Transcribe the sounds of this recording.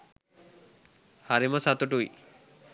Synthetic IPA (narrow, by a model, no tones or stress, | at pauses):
haɾimosat̪oʈuj